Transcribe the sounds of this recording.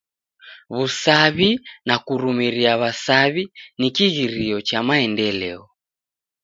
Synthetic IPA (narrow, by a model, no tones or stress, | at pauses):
βusaβinakuɾumiɾiaβasaβinikiɣiɾiɔt͡ʃamaɛndɛlɛɔ